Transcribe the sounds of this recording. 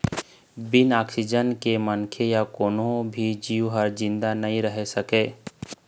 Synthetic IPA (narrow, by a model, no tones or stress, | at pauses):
bɪnaːksɪd͡ʒənkemənkʰejakoːnõbʱid͡ʒiːwɦəɾd͡ʒɪ̃nd̪anɐɦĩɾəɦesɐkeː